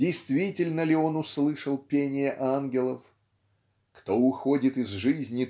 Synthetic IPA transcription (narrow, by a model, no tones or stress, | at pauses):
dʲɪjst̪vʲitʲɪlʲnəlʲɪo̞nʊslˠɨʂəlˠpʲenʲɪjəʔanɡʲɪlˠəf | kt̪o̞ʊxo̞dʲɪt̪ɨzʐɨzʲnʲɪ